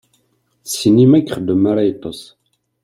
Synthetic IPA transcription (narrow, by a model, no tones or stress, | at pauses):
θsinimækːχəd̪əmaɾajt̪ˤːəsˤ